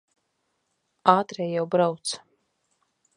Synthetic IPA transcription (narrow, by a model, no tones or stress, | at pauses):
aːt̪ɾɛjːawbɾawt̪s